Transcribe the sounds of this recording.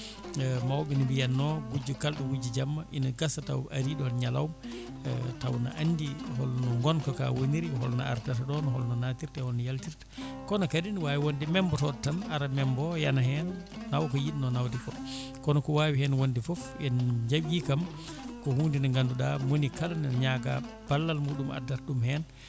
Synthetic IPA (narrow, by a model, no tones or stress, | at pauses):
mawbɛnibijanːɔɡud͡ʒːukalɗuwud͡ʒid͡ʒamːaʔinaɡasata̰wʔaɾiɗɔnɲala̰wum | tawna̰ʔandiɦɔlnɔŋɡɔnkɔka̰woniɾɦɔ̰lna̰a̰ɾtataɗɔnɦɔ̰lnɔnatiɾtɛhɔlnajaltiɾtḁkɔnɔkadinwajiwondimɛmbɔtɔdtːanaɾamɛmbɔjanaɦɛnː | awkɔjiɗnɔnawdikɔkɔnɔkɔwaːwihɛnwondifɔf | ɛnd͡ʒaɓikam | kɔhuːndinaŋɡanduɗamonikalnɛɲaɡa̰ | b̥alːalmuːɗumʔa̰dːaɾɗumhɛn